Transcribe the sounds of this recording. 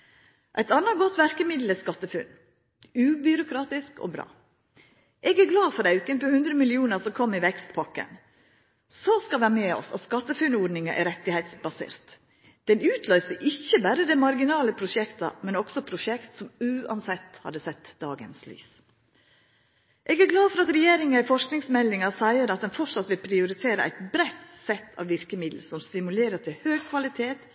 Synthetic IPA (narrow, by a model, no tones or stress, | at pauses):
ʔæɪt̪ɑnɑɡɔt̪ʋæɾkəmɪd̪ləskɑt̪ːəfʉn | ʉːbʏɾʊkʰɾɑːt̪ɪsko̰ːbɾɑ̰ː | ʔɛːɡæɾɡlɑːfɔɾæʉkənpɔhʉnd̪ɾəmɪlɪuːnəsɔkʰɔmːɪʋɛkst̪pʰɑkːə̰n | soskɑʋæmeːɔ̰sɑ̰t̪skɑt̪ːəfʉnoːɖnɪŋɑʔɛɾɛt̪ːɪhæɪt̪sbɑsḛːɾt̪ | d̪̥ɛnʉːt̪ʰlœʏsəʔɪçːəbæɾəd̪ɛmɑɾɡɪnɑːləpʰɾʊʂɛkt̪ɑ̰mɛnɔksɔpʰɾʊʃɛkt̪sɔmʉːɑ̰nsɛt̪ːhɑ̰d̪əsɛt̪ːd̪ɑːɡə̰nsly̰ːs | ʔɛːɡæɾɡlɑːfɔɾɑt̪ɾɛjeːɾɪŋɪfɔʂknɪŋsmɛlːɪŋɑsæɪəɾɑt̪̚d̪ɛnfɔʂɑt̪ʋɪlpʰɾɪʊɾɪt̪ʰeːɾəʔæ̰ɪt̪bɾæt̪sɛt̪ʰːɑ̰ːʋʋɪɾkəmɪd̪l̩sɔmst̪ɪmʉleːɾət̪ʰɪlhøːɡ̚kʰʋɑlɪt̪ʰeːt̪